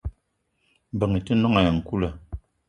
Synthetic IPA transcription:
m˨bə˨ŋi˨ti˦nɔ˦ŋa˨ja˨ŋ̩˨ku˦lə˨

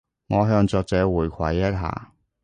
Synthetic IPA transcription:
ŋɔː˨˧ɦœː˧ŋt͡sɔː˧k̚t͡sɛː˨˧˥wuː˨˩jkʷʰɐ˨˩jːɐ˥t̚ɦa̰ː˨˩

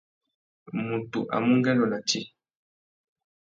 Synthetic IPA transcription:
mu˨tu˨ʔa̰˨mu˦ŋɡɛ˦lɔ˨na˨ti˦

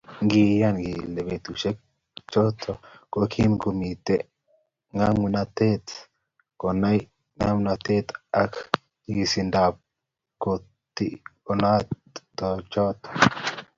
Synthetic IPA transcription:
ŋɡi˧ja˦nɡi˨le˨be˨t̪u˨ʃe˦k̚ | t͡ʃɔ˦t̪ʰɔ˨ko˦kʰi˦mko˨mi˨t̪e˨ | ŋa˦ŋ˨na˧t̪e˦t̪ | ko˨na˦j | ŋa˦mna˧t̪e˦t̪a˦k | ɡi˨si˨nda˨p̚ | ko˨ | t̪ḭ˦ko˨na˦t | t̪ɔ˨t͡ʃɔ˦t̪ɔ̥

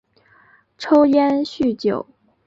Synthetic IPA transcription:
ʈ͡ʂʰo˥ʊjɛ˥nɕy˥˩t͡ɕjo˨˩˦ʊ

